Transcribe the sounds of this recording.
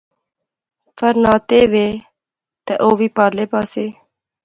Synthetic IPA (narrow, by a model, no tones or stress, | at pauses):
fʰəɾnaːt̪eːʋeː | t̪eʔoːʋiːpaːleːpaːseː